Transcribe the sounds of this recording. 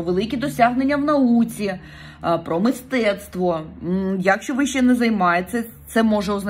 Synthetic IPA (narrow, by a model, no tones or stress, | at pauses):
ʋelˠɪkʲid̪ɔsʲaɦnenʲːɐwnɐut͡sʲi | pɾɔmɪst̪ɛt̪st̪ʋɔjɐkʃt͡ʃɔʋɪʃt͡ʃɛnɛzɐjmɑjesʲɐ | t̪sɛmɔʒɛɔznɐ